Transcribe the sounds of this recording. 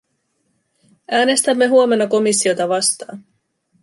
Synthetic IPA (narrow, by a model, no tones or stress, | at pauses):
ʔæːne̞st̪æmːe̞ɦuome̞nːɑko̞misːio̞t̪ɑʋɑst̪ɑ̰ːn